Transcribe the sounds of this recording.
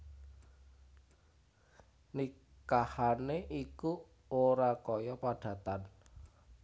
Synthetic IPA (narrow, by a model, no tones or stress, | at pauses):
ni | kahaneʔiku | oɾakɔjɔpaɖ̥ä̤t̪an